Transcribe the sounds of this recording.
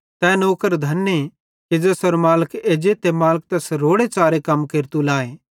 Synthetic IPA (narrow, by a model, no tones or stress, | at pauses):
t̪ɛːnoːkəɾd̪ʱɐnːe | ked͡ʒɛsɔɾmaːləkʰeːd͡ʒet̪emaːlək̚t̪ɛsɾoːɽet͡ʃaːɾekɐmkeːɾt̪ulaːeː